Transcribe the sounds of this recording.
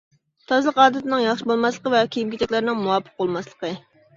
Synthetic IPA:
t̪ʰɑzɨlˠəqɑːd̪ɨt̪ɪnɪŋjɑχʃibolˠmɑslˠəqəvɛkʲʰejimkʲit̪ɛkʲlɪɾɪnɪŋmuwɑːpʰːə̥q̚bolˠmɑslˠə̥qʰə

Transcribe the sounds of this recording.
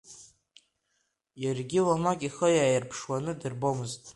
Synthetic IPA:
jarɡʲilamakʼiχəjaːjɪrpʰʂwanɨdɨrbomɨztʼ

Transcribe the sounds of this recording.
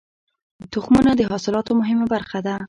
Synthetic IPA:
t̪ʊxmunad̪əɦɑsɪlɑt̪omʊɦɪmabaɾxad̪a

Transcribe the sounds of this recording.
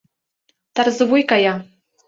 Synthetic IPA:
t̪arzɨvujkaja

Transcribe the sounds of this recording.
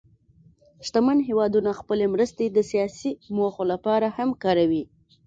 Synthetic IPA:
ʃt̪amanɦewɑd̪unaxpəlemɾəst̪ed̪əsijɑsimoxolapɑɾahamkɑɾawi

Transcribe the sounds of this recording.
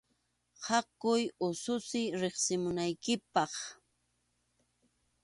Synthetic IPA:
hɑkʊjʊsʊsɪɾeχsɪmʊnajkɪpɑχ

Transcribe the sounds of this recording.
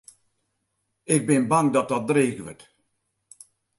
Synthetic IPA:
ɪk̚bɪnbaŋdɔt̚dɔt̚dreːɣʋə̰t

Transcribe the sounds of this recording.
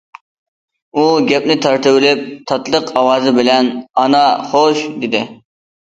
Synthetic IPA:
uɡʲɛpnɪt̪ʰɑɾt̪ʰɪwɪlɪp̚t̪ʰɑt̪lˠəqʰɑwɑːzɨbɪlɛnɑnɑχoʃd̪ɪd̪ɪ

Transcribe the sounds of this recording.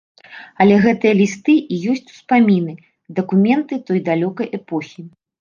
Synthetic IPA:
ɐlʲɛɣɛt̪ɨjɐlʲist̪ɨijɔsʲt͡sʲu̥spamʲinɨ | d̪ɐkumʲɛnt̪ɨt̪ɔjd̪alʲɔkɐjʔɛpɔxʲi

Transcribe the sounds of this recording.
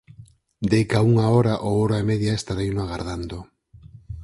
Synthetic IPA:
d̪ejkauŋaoɾaʔooɾaemeðjaest̪aɾejnoaɣaɾðand̪o

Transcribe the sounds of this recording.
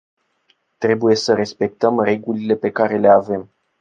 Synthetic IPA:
t̪ɾe̞buje̞səɾe̞spe̞k̚t̪əmre̞ɡulile̞pe̞kaɾe̞le̞ave̞m

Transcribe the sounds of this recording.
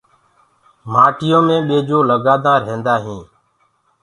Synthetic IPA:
maːʈɪjõːmẽːɓeːd͡ʒoːləɡaːd̪ãːɾẽːnd̪aːɦĩː

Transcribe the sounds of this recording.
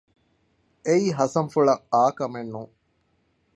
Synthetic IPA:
eiːɦɐsɐmfuɭɐŋaːkɐmenːuŋ

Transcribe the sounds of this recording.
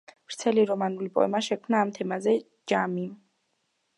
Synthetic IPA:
pɾt̪sʰɛliɾɔmanulipʼɔ̰ɛ̰maʃɛkʰmnaːmt̪ʰɛmazɛ | d͡ʒami

